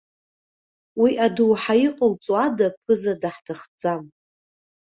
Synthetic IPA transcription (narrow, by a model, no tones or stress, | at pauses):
wiʔaduwħaiqʼəlt͡sʼwadapʰɨzadaħtʰaχd͡zʼam